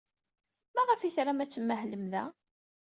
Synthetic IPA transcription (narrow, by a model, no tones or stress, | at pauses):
mæʁəfiθɾamæt͡sːəmːəhləmðæ